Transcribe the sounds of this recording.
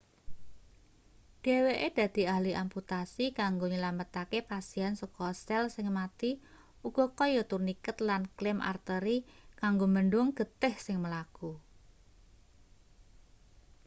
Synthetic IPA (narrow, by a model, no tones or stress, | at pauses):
ɖ̥e̤weʔed̪̥ä̤d̪̥i̤ahliʔamput̪asikaŋɡoɲəlamət̪akepasiɛnsokɔst̪ɛlsɪŋmat̪i | uɡ̥ɔ̤kɔjɔt̪urnikət̪lanklɪmʔa̰rt̪əɾikaŋɡomənɖʊŋɡ̥ət̪ɪhsɪŋməlaku